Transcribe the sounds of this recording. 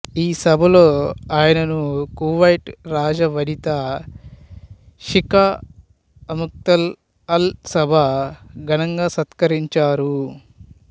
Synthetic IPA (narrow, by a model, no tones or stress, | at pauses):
iːsɐbʱɐloːaːjɐnɐnukuːʋɐjʈɾaːd͡ʒɐʋɐɽit̪ɐ | ʃika | ɐmuk̚t̪ɐl | ɐlsɐbʱɐɡʱɐnɐŋɡaːsɐt̪kɐɾiɲt͡ʃaːɾu